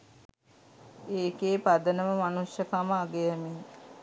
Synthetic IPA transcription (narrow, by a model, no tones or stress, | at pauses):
eːkeːpad̪ənəməmanusjəkaməaɡejəmi